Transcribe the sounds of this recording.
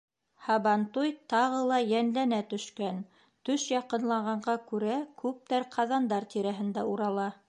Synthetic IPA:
hɑβɑnt̪ujt̪ɑʁɤlˠɑjænlænæt̪ɵ̆ʃkæn | t̪ɵʃjɑqɤ̆nlˠɑʁɑɴɢɑkʉɾækʉp̚t̪æɾqʰɑðɑnd̪ɑɾt̪iɾæɦɘ̆nd̪æuɾɑlˠɑ

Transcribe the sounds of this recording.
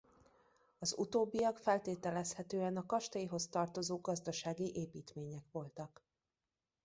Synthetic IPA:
ɒzṵt̪oːbːiɒkfɛlt̪eːt̪ɛlɛshɛt̪øːɛnɒkɒʃt̪ɒjiɦo̞st̪ɒrt̪o̞zoːɡɒzd̪ɒʃaːɡiʔeːpiːt̪meːɲɛkʋo̞lt̪ɒk

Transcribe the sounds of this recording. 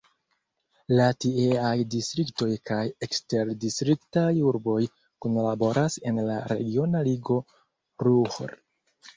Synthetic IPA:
latieajdistɾikto̞jkaje̞kste̞ɾdistɾiktajuɾbo̞j | konlabo̞ɾʔase̞nlaɾe̞̰ɡio̞naliɡo̞ | ɾuhɾ

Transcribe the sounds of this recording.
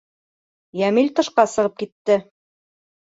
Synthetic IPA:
jæmilʲt̪ɤ̆ʃqɑsɤ̆ʁɤp̚kit̪ːɘ

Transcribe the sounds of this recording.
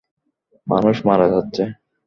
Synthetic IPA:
manuʃmaɾad͡ʑatːɕʰe

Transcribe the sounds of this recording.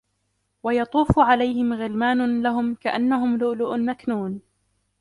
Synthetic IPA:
wajɑt̪ˤuːfʊʕalajhɪmɣɪlmaːnʊlaɦʊmkaʔanːaɦʊmlʊlʊʔʊnmaknuːn

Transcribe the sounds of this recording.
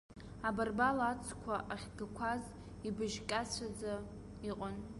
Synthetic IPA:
abarbalat͡sʼʰkʷʰaʔaχʲɡakʷʰaz | ibɨʒkʼat͡ɕʷʰad͡za | iqʼən

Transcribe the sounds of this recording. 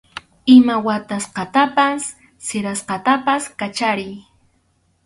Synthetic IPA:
ɪmawat̪asqɑt̪apasː | eɾasqɑt̪apaskat͡ʃaɾɪj

